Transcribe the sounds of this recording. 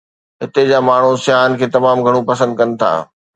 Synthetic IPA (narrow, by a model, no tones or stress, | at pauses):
ɦɪt̪ed͡ʑaːmaːɳ̤usjaːənɪ̆kʰeːt̪ɐmaːmɡʱɐɽ̃upɐsə̃nd̪̚kɐnɪ̆t̪ʰa̰ː